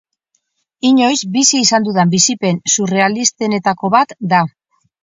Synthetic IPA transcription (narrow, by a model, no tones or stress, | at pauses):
iɲo̞jzbisiːsand̪uðambisipe̞nsure̞alist̪e̞ne̞t̪ako̞βat̪d̪a